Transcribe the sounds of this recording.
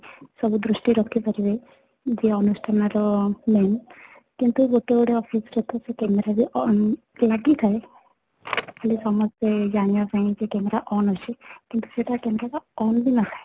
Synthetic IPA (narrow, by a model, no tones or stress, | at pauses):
sɔbud̪ɾusʈiɾɔkʰipaɾibe | d͡ʒeɔnusʈʰanaɾɔmen | kint̪uɡoʈeuɽeɔpʰist͡ʃɔt̪ɔsekemeɾabiɔ | laɡit̪ʰae | kalisɔmɔsed͡ʒanijapaĩd͡ʒekɛmeɾaʔɔnɦɔt͡ʃʰekint̪u̥seʈakɛmeɾakaɔnbʱinaɦae